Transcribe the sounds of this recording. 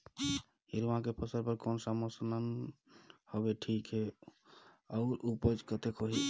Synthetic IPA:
hiɾmãkepʰəsəɾpəɾkonsamosnən | hobeʈʰikɦe | əʊɾupəd͡ʒkət̪ekɦoɦi

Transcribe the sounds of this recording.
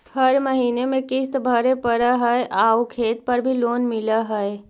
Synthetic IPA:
həɾməɦiːnemẽkɪst̪bʱəɾepəɾaɦəeʔaːukʰeːt̪̚pɐɾbʱiloːnmɪlaɦəe

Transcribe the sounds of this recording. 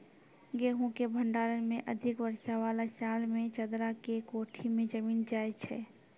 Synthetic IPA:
ɡeːɦũkebʱə̃ɳɖaːɾənmẽʔəd̪ʱɪkʋəɾʃaʋaːlasaːlmẽt͡ʃəd̪ɾakekoːʈʰimẽd͡ʒəmiːnd͡ʒaːet͡ʃʰɛ̰ː

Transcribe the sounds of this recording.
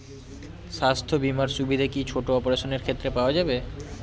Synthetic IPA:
ʃast̪ʰobimaɾʃubid̪ʱakit͡ɕʰoʈoɔpoɾaʃoneɾkʰet̪ːɾepaoad͡ʑabe

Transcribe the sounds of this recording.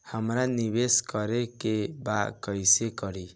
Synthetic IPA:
hamɾanibeskɔɾekebakɔjsekɔɾi

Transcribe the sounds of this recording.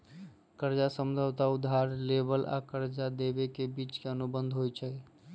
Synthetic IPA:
kəɾd͡ʒasəmd͡ʒʱəwt̪aʊd̪ʱːaɾlebəla̰kəɾd͡ʒad̪ebekebit͡ʃkeənubənd̪ʱɦojt͡ʃʰə

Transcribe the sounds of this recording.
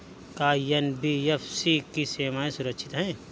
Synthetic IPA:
kaːjɐnbiːefsikiseːmaːẽsʊɾəkʃʰɪt̪ɦɛ̃ː

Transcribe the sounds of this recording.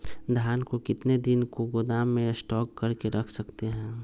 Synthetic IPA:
d̪ʱjaːnkokɪt̪ned̪ɪnkoɡʊd̪aːmːẽsʈɔːkːɐɾkeɾɐkʰsɐkt̪eɦɛ̃ː

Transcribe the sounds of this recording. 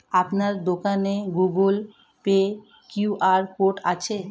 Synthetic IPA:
apnaɾd̪okaneɡuɡul | pe | kjuʔaɾkoʈa̰t͡ɕʰe

